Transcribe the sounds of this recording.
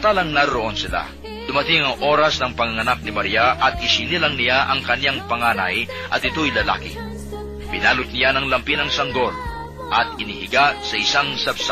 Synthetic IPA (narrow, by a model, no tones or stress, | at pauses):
t̪aːlɐŋnɐɾɐɾoʔo̞nsɪla̰ | d̪̥ʊmɐt̪ɪŋɐŋʔo̞ːɾɐsnɐŋpɐŋɐŋɐnak̚nɪmɐɾijaʔɐt̪̚ɪsinilɐŋnɪjaʔɐŋkɐnjaŋpɐŋaːnɐ̰jʔɐ̰t̪ɪt̪ojlɐla̰ːkɪ̰ | pɪnaːlʊt̪̚nɪjanɐŋlɐmpinɐŋsɐŋɡo̞l | ʔɐt̪̚ɪnihɪɡasɐʔɪsaŋsɐbsa